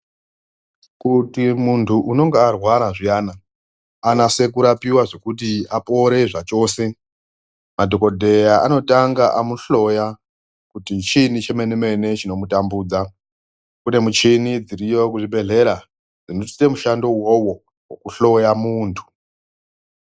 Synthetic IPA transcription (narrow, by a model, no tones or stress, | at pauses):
kutimuntʰuʔuno̞ŋɡearwaɾaʐijaːna | anase̞k̬uɾapiwaʐe̞kut̬iapo̞ɾe̞ʐat͡ʃo̞ːse̞ | madʱo̞ko̞dʱe̞jaa̰no̞taŋɡaʔamuɬo̞ja | kutit͡ʃinit͡ʃe̞meneme̞ne̞t͡ʃino̞mutambuːd͡za | kune̞mut͡ʃinid͡ziɾijo̞kuʐibe̞ɮe̞ɾa | d͡zinoti̥te̞muʃando̞wo̞wo̞ | wokuɬo̞jamuːntʰu̥